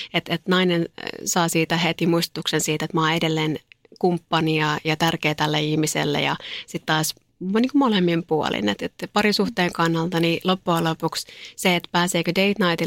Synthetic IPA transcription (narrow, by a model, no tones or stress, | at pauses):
et̪et̪nɑinensɑːsiːt̪æhet̪imuist̪o̥t̪uksensiːt̪et̪mɑːedelːeːnkumpːɑniɑjɑt̪ærkeːt̪ælːeihmisḛlːḛjɑ̰sit̪t̪ːɑːs | niːŋkumolemːimpuo̰lḭnet̪et̪pɑɾisuht̪eːŋkɑnːɑlt̪ɑnilopːuɑlopuksseet̪pæːseːkødeit̪nɑit̪i